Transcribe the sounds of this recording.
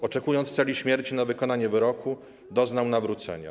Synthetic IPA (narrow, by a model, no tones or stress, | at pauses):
ɔt͡ʂɛkujɔnt̪st̪sɛlʲiɕmʲjɛɾt͡ɕinavɘkɔnaɲɛvɘɾɔkʰu | d̪ɔznawnavɾut̪sɛ̰ɲa̰